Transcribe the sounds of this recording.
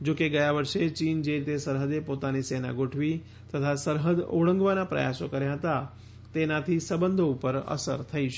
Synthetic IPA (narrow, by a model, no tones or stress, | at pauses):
d͡ʒokeɡəjaʋəɾʃet͡ʃind͡ʒeɾit̪esəɾɦəd̪epot̪anisena̰ɡoʈʰʋi | t̪ət̪ʰasəɾɦəd̪o̰ɭə̃ŋɡʋanapɾə̰ja̰sokəɾjãɦət̪a | t̪enat̪ʰisəbənd̪ʱoupəɾə̰sə̰ɾt̪ʰəiʃ